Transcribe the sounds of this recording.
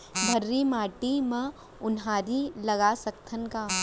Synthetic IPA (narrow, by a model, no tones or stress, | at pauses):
bʱɐɾːimaːʈimẽ | ʊnɦaːɾilɐɡasɐkt̪ʰənka